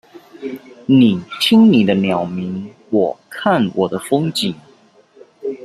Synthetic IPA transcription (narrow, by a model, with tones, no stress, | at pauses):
ni˨˩t̪ʰi˥ŋni˨˩d̪ə˦njɑ˨˩ʊmi˧˥ŋ | wɔ˨˩kʰa˥˨nwʔɔ˨˩d̪ə˦fɤ˥ŋt͡ɕi˨˩˦ŋ